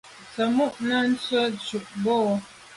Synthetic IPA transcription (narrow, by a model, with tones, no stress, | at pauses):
sə˨mu˦ʔna˦n̩˦t͡sə˦t͡ʃu˨ʔbo˦˨˦